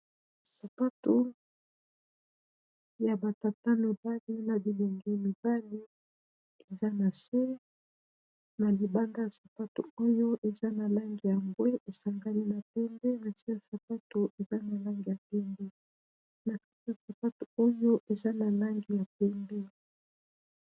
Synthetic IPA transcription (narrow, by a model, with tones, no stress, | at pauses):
sa˨pa˦to˦ | ja˨ba˨ta˨ta˦mi˨ba˦li˦na˨bi˨lo˨ŋɡi˦mi˨ba˦li˦ | e˨za˦na˨sɛ˦ | na˨li˨ba˦nda˦ja˨sa˨pa˦to̰˨o˦jo˦ʔe˨za˦na˨la˦ŋɡi˨ja˨mbwɛ˦ʔe˨sa˨ŋɡa˦li˦na˨pɛ˦mbe˦na˨si˦ja˨sa˨pa˦to˨ʔe˨za˦na˨la˦ŋɡi˨ja˨pɛ˦mbɛ˦ | na˨ki̥˦ki˦ja˨sa˨pa˦to˨o˦jo˦ʔe˨za˦na˨la˦ŋɡi˨ja˨pɛ˦mbɛ˦